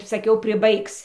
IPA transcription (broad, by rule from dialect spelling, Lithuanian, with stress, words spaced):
sɐˈkʲɛʊ pʲrʲɪˈbɐɪks